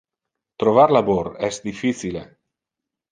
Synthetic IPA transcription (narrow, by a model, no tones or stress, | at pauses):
t̪ɾovaɾlaboɾɛsd̪ifiθilḛ